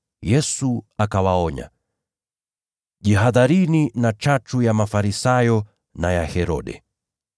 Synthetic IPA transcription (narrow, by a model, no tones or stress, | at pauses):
jɛsuakawaɔɲa̰ | ʄiɦaðaɾininat͡ʃat͡ʃujamafaɾisajɔ | najahɛɾɔ̰ɗɛ̰